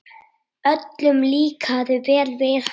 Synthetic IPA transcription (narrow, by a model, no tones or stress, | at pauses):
œt̪lʏmliːkʰaðɪvɛːlveːɾ